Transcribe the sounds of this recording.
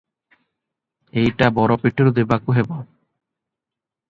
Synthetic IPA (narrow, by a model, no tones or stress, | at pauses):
ejʈabɔɾɔpiʈʰːeɾod̪ebakuɦebɔ